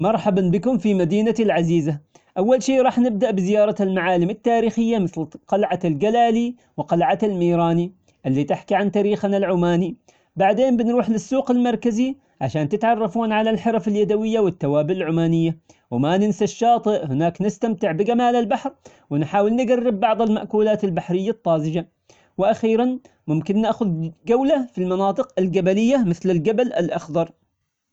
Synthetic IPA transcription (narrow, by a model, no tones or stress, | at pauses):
mɑɾˤħabanbɪkʊmfimad̪iːnat̪lʕaziːza | ʔawːalʃiːʔɾˤɑːħnɪb̚d̪aʔbɪzɪjɑːɾˤɑlmaʕaːlɪmɪt̪ːaːɾiːxɪjːamɪθlqɑlʕalɡalaːli | wɪqɑlʕaalmiːɾˤɑːni | ʔɪlːit̪ɪħkiʕant̪aːɾiːxnalʕʊmaːni | baʕd̪eːmbɪnɾuːħlɪsːuːqɪlmɑɾˤkazi | ʕaʃaːnt̪ɪt̪ʕɑrˤːɑfuːnʕalalħɑɾˤɑfaljad̪awɪjːawɪt̪ːawaːbɪʔɪlʕʊmaːnɪjːa | wɪmanɪnsaʃːɑːt̪ˤɨʔhɪnaːknɪst̪amt̪ɪʕbɪɡamaːlalbaħɾ | wɪnħaːwɪlnɪɡarːɪbːɑʕðˤɑlma̰ʔkuːlaːt̪ɪlbaħɾɪjːat̪ˤːɑːzɪd͡ʒa | wɪʔaxiːɾan | mʊmkɪnːaʔxʊðɡawlafilmɑnɑːt̪ˤɨqɪlɡabalɪjːamɪθlɪlɡabalɪ̰lʔɑxd̪ˤɑɾˤ